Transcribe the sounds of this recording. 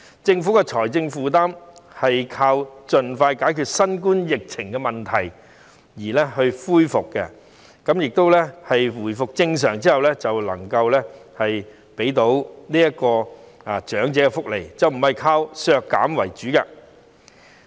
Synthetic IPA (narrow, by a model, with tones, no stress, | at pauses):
t͡sɪ˧ŋfuː˨˥kɛ˧t͡ʃʰɔː˨˩jt͡sɪ˧ŋfuː˨˧t̪aː˥mhɐ˨jkʰaː˧wt͡ʃɵ˨nfaː˧jkaː˨˥jkʰyː˨˧t̚sɐ˥nkuː˥njɪ˨k̚t͡sʰɪ˨˩ŋkɛ˧mɐ˨nt̪ʰɐ˨˩j | jiː˨˩lɛ˥hɵ˧ɥfuː˥jfʊ˨kːɛ̰˧ | kɐ˨˥mjɪ˨k̚t̪o˥wlɛ˥hɐ˨jwuː˨˩jfʊ˨k̚t͡sɪ˧ŋs̬œː˨˩ŋt͡siː˥hɐ˨wlɛ˥t͡sɐ˨wlɐ̰˨˩ŋkɐ˧wlɛː˥hɐ˨j | pe˨˥jt̪o˨˥wliː˥jɐ˥kːɔː˧ | a˨t͡ʃœː˨˥ŋt͡sɛː˨˥kɛ˧fʊ˥k̚lḛ˨˩jt͡sɐ˨wm̩˨˩hɐ˨jkʰaː˧wsœː˨˧kːa̰ː˨˥mwɐ˨˩jt͡ʃyː˨˥kɛ˧